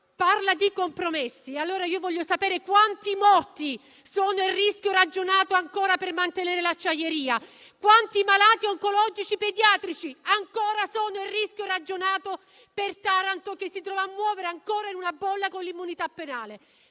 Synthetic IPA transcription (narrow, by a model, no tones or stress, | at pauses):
parlad̪ikompɾomesːialːoːɾaiːovɔʎːosapeːɾekwant̪imɔrt̪i | soːnoirːiskʲjorad͡ʒːonaːt̪oaŋkoːɾapermant̪eneːɾelat͡ʃːajeɾiːa | kwant̪imalaːt̪iɔŋkolɔd͡ʒit͡ʃiped̪jaːt̪ɾit͡ʃiaŋkoːɾasoːnoirːiskʲjorad͡ʒːonaːt̪o | pert̪aɾant̪okesːit̪ɾɔːvaːmːwɔːveɾeaŋkoːɾainunabːɔlːakonlimːunit̪apːenaːle